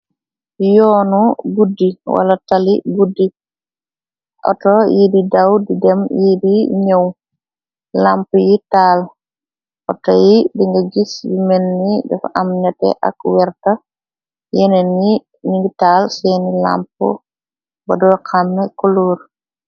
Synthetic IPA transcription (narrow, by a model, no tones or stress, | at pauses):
jɔnuɡudːiwʔa̰lataliɡudːi | ʔɔ̰tɔjididawdidɛmjidiɲəw | lampujital | ʔɔ̰tɔjidiŋɡaɡisjimɛnːidɛ̰fʔamɲatɛ̰ʔa̰kwɛɾta | jɛnɛn | niŋɡitalsɛnila̰mpɔ̰ | ba̰dɔkamːɛkɔloːɾ